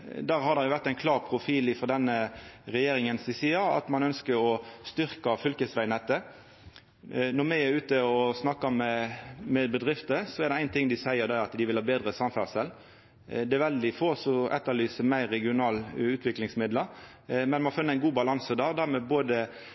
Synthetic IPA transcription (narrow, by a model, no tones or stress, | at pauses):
d̪æːʁɦɑd̪ɛʁjʊʋæʁt̪æɪnkʰlɑːʁpʰʁʊfiːlɪfɾɔd̪ɛnːəʁɛjeːɾɪŋənsɪsiːɑɑ̰t̪mɑnœnskəɾɔst̪ʏɾkɑfʏlkəsʋæɪnɛt̪ːə | nɔɾmɛæɾʉːt̪əɔsnɑkːɑmɛmɛbəd̪ʁɪft̪əsɔɛɾd̪ɛæɪnt̪ʰɪŋːd̪ɪsæɪəɾd̪ɛɑt̪d̪ɪʋɪlhɑːbeːd̪ʁəsɑmfæʁsəl | d̪ɛæɾʋɛld̪ɪfoːsɔɛ̰t̪ːəlyːsəmæɪɾːɛɡɪʊnɑːlʉːt̪ʰʋɪklɪŋsmɪd̪ləɾ | mɛnmɑnfʉnːəæɪnɡuːbɑlɑnsəd̪æːʁd̪æʁmɛboːd̪ə